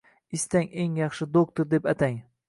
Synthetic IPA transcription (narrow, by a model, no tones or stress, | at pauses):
ɪst̪aŋeŋjɑχʃɪd̪ok̚t̪oɾd̪e̞pat̪ʰaŋ